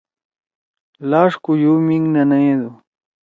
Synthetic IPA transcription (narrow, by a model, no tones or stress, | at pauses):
laːʂkujumiŋnanad̪u